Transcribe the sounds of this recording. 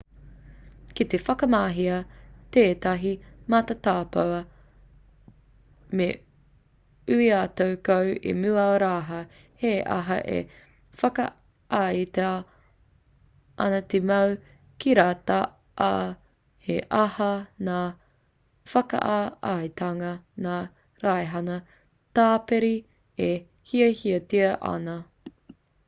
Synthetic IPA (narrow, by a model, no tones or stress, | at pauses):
kit̪efɐkɐmaːɦiɐteːt̪ɐɦimat̪at̪aːpɐwɐ | me | ʉiatowkowḭmuːɐoɾaːɦɐ | heʔɐ̰ɦɐ̰ʔḛ | fɐkɐ̰ | ʔaːit̪ea | ʔɐ̰nɐt̪emɐw | kiɾaːtɐ | ʔa | heʔɐhɐnaː | fɐkɐ̰ʔaajt̪ʰɐŋɐnaː | ɾajɦɐnɐ | taːpeɾi | e | hiɐhiɐtiɐʔɐ̰nɐ